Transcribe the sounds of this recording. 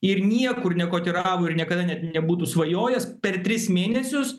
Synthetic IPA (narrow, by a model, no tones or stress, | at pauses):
ɪɾnʲiɛkʊɾnʲɛkoːt̪ʲɪɾɑːʋoːɪɾnʲiɛkɐd̪ɐnʲɛt̪nʲɛbuːt̪uːsʋɐjoːjɛspʲɛrt̪ʲɾʲɪsmʲeːnʲɛsʲʊs